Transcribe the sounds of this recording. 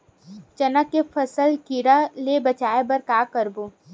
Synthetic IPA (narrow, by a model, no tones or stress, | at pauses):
t͡ʃɐnəkːefʰɐsəlkiɾalebɐt͡ʃaːebɐɾkaːkəɾboː